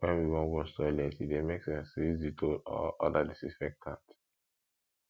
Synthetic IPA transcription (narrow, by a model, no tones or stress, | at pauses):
wɛ̃nwiwɔ̃nwɔssɔlɛtidemeksɛ̃nsizditʰolɔ̰ʔɔdadisifɛk̚tʰã̰nt